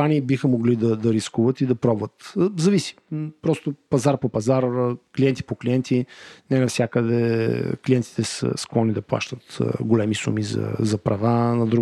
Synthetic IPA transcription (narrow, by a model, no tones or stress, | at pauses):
aniːbixəmoɡlid̪ɐd̪ɐɾiskuvət̪id̪ɐpɾɔbvət̪zɐvisi̥pɾɔst̪opɐzaɾpopɐzaɾklijɛnt̪i̥pokliɛnt̪ʰinɛnɐfsʲjakəd̪ɛ̰kliɛnt̪i̥t̪ɛsə̰sklˠɔnid̪ɐplˠa̰ʃt̪ət̪ɡolɛmisṵmizɐ̰zɐpɾɐvanɐd̪ɾu